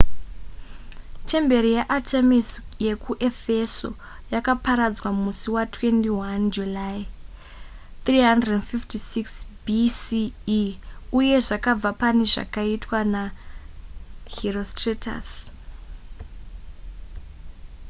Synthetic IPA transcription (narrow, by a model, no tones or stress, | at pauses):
te̞mbe̞ɾijeʔatʰemisje̞kuʔe̞fe̞so̞̰ | jakapaɾad͡zwamusiwatwe̞ntiwand͡ʒulai | t̪riɦandrednfiftisiksbisiː | uje̞ʐakab͡vapane̞ʐa̰kaitwana | ɦirostreta̰s